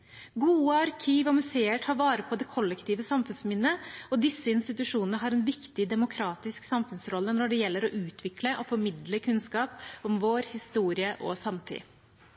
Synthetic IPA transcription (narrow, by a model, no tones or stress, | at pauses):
ɡuːəɑɾkʰiːʋɔmʉseːəʈʰɑːɾʋɑːɾəpʰɔd̪ɛkʰɔlːɛkt̪ʰiːʋəsɑmfʉnsmɪnːəɔd̪ɪsːəɪnst̪ɪt̪ʉʂuːnənəɦɑːɾɛnʋɪkt̪ɪd̪ɛmʊkʰɾɑːt̪ɪsksɑmfʉnsɾɔlːənɔɖɛjɛlːəɾɔʔʉːt̪ʰʋɪkləʔɔfɔɾmɪd̪ləkʰʉnskɑːpɔmʋoːɾhɪst̪uːɾɪəʔɔ̰sɑmt̪ʰɪ̰